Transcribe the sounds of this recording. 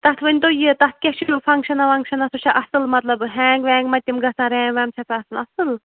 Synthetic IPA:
t̪ɐt̪ʰʋɨnʲt̪ojit̪ɐt̪̚ʰkʲeʃʰujufʰɐŋkʃɐnɐʋɐŋkʃɐnɐsut͡ʃʰaʔɐsɨlmɐt̪lɐbɦɛːŋɡʋɛ̃ːŋɡmɐt̪ʲːimɡɐsãːɾɛ̃ːŋʋɛːmt͡ʃʰɐt̪ʰːɐsɨlɐsɨl

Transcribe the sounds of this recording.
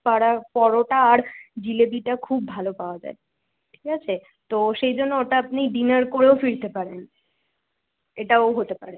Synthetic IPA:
paɾapɔɾoʈaːɾd͡ʑilebiʈakʰubːʱalopaoad͡ʑa̰e | ʈʰikat͡ɕʰe | t̪oʃejd͡ʑonːooʈaap̚niɖinəɾkoɾeofiɾt̪epaɾen | eʈaoɦot̪epaɾe

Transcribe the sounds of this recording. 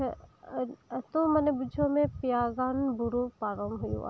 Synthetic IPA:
t̪omənebʊd͡ʒʱõmẽpjaːɡaːnbʊɾupaːɾəmbɦʊjṵ̃a̰

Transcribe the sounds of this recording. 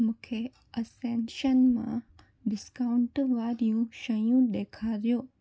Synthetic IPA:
mũːkʰe | ɐsẽnʃənmã̰ | ɖɪskaːʊ̃ɳʈʋaːɾijũʃɐjũɗ̪eːkʰaɾijoː

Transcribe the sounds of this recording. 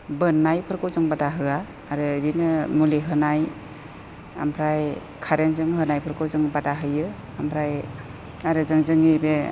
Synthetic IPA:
bɯnːajpʰɯɾkʰowzɯŋbadaɦɯaː | ɾɯɾinɯmuliɦɯnaj | a̰mpʰɾaj | kʰaɾenzɯŋɦɯnajpʰɯɾkʰɔwzɯŋbadaɦɯjɯ | ampʰɾaj | aɾɯzɯŋzɯŋibe

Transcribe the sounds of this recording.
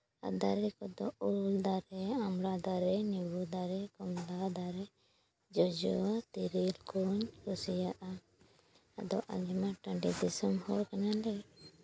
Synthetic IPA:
a̰d̪aɾɛkɔd̪ɔuld̪aɾɛamɾad̪aɾɛnibud̪aɾɛkɔmlad̪aɾɛ | d͡ʒɔd͡ʒɔt̪iɾilkuɲkusijaʔa | a̰d̪ɔʔa̰d͡ʒimaʈaɳɖid̪isɔmhɔɾkaɲalɛ

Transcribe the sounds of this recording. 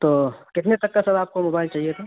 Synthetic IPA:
t̪oːkɪt̪net̪ɐkːasɐbʱaːp̚komoːbaːɪlt͡ʃaːɦiet̪ʰo

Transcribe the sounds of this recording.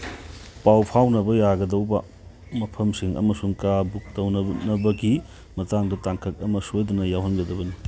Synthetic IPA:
pawpʰawnɐbɐjaɡɐdɐwbɐ̰ | mɐpʰɐmsiŋɐ̰mɐsuŋkabuk̚tɐwnɐnɐbɐɡi | mɐtaŋdɐtaŋkʰɐk̚ɐmɐsojdunɐjawɦɐnɡɐdɐbɐni

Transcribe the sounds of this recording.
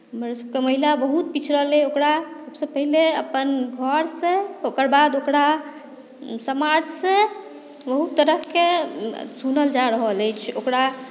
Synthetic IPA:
ɦəmɾsəb̚keməɦilabəɦut̪̚pit͡ʃʰɾəɦleokɾasəbsə̃pəɦileəpənɡʱəɾsẽokəɾbad̪okɾa | səmad͡ʒsə̃ | bəɦut̪ːəɾəɦkesunəld͡ʒaɾəɦələjt͡ʃʰokɾa

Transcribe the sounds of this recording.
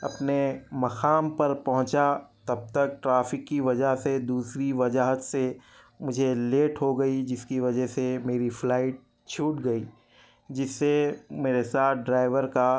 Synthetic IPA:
ɐpnemɐxaːmpɐɾpɐɦʊ̃t͡ʃat̪ɐb̚t̪ɐk̚ʈɾaːfɪkːiʋɐd͡ʒəɦsed̪uːsɾiʋɐd͡ʒaɦət̪se | mʊd͡ʒʱeleːʈɦoɡɐid͡ʒɪskiʋɐd͡ʒəɦsemeːɾiflaːɪʈ̚ | t͡ʃʰuːʈɡɐiː | d͡ʒɪsːemeːɾesaːt̪̚ʰɖɾaːɪʋəɾka

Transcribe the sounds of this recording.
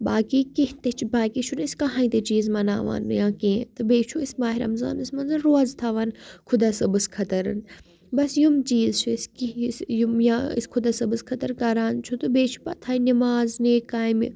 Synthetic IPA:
baːkikiht̪et͡ʃʰbaːkit͡ʃʰuniskɐɦãːĩt̪et͡ʃiːzmɐna̰ːʋa̰ːnjãːkẽːt̪ɨbeːt͡ʃʰuismaːɦiɾɐ̰mza̰ːnɨsmɐnzɐnɾoɐzt̪ʰaʋaːnkʰʊd̪asɐbɨskʰɐt̪ɐɾɨ̰n | bɐsjumt͡ʃiːzt͡ʃʰuskisjumjãḭskʰʊd̪aːsɐbɨskʰɐt̪ɐɾkɐɾaːnt͡ʃʰut̪ɨbeːt͡ʃʰu̥pɐt̪ʰaːinɐmaːzneːkaːjmḭ

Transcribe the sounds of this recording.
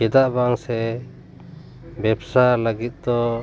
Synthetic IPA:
ɛd̪aʔbaŋsɛ | bɛbsaləɡit̪̚d̪ɔ

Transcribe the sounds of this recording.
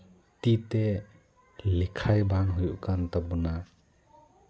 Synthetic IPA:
t̪it̪e | likʰajbaŋɦujuʔkant̪abuna

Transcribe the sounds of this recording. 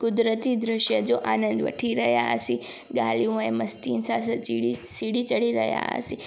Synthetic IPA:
kʊd̪ɾət̪id̪ɾəʃjəd͡ʒoʔanənd̪ʋə̰ʈʰiɾəɦja̰ə̰si | ɡaljuɦoeməst̪insasət͡ʃiɽisiɽit͡ʃəɽiɾə̰ɦja̰ə̰si

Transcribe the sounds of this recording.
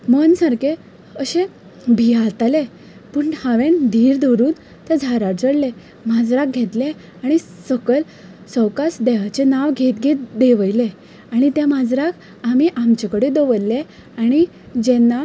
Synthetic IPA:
mənsaɾke | əɕẽ | bʱiat̪ale | pəːɳhaʋẽnd̪ʱiːɾd̪ʱɔɾuːn | t̪ɛd͡zʱaɾaʈ̚d͡zəɽle | mad͡zɾak̚ɡʱet̪le | aɽ̃isəkəl | səwkasd̪eʋat͡ɕenaʋɡʱet̪ɡʱet̪d̪eʋəjle | aɽ̃it̪jãmad͡zɾakʰ | am̤iʔamt͡ɕakəɽed̪əʋəlle | aɽ̃i | d͡ʑɛnːa

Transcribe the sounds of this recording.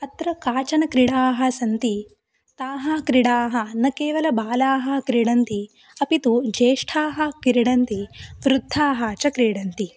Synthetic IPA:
ɐt̪ɾɐkaːt͡ʃɐnɐkɾiɽaːɦɐ̆sɐnt̪i | t̪aːɦɐkɾiɽaːɦɐ̆nɐkeːʋɐlɐbaːlaːɦɐ̆kɾiɽɐnt̪i | ɐpit̪ud͡ʒeːʂʈʰaːɦɐkiɾiɽɐnt̪iʋɾud̪ʱːaːɦɐt͡ʃɐkɾiːɽɐnt̪i

